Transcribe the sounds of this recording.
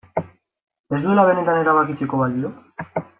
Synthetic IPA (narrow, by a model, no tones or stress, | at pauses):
e̞zd̪ue̞laβe̞ne̞t̪ane̞ɾaβakit͡seko̞βalio